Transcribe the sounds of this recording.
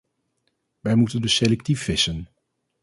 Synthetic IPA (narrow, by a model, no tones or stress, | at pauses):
ʋɛjmutəndɵselɛk̚tifːɪsən